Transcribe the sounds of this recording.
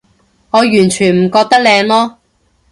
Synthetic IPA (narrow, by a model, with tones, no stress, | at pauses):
ŋɔː˨˧jyː˨˩nt͡ʃʰyː˨˩nm̩˨˩kɔː˧k̚t̪ɐ˥k̚lɛː˨˧ŋlɔː˥